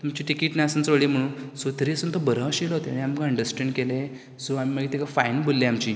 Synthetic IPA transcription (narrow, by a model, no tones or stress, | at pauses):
t̪umt͡ɕiʈikiʈnaasənt͡səɭim̤əɽ̃ũːnsot̪əɾiəsənt̪əbəɾãɕilɔt̪enĩaməkəɳɖəɾsʈeɳɖkele | soamiməɡet̪ʰekafainbʱolːeamt͡ɕiː